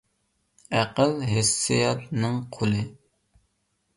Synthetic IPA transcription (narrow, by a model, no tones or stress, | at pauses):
æqəlɦesːɪjɑt̪nɨŋqʰolɨ